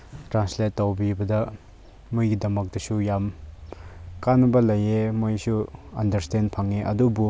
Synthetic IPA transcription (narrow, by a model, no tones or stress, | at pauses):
tɾansletːɐwbibɐdɐ | mujɡidɐmɐk̚dɐsujam | kanɐbɐlɐjemojsuɐndɐɾstenpʰaŋeʔɐ̰dubu